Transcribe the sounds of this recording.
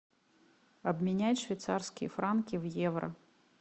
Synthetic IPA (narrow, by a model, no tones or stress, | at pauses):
ɐbmʲɛnʲajʲʂvʲɛjt̪sarskʲijɛfɾankʲiwjɛvɾɐ̰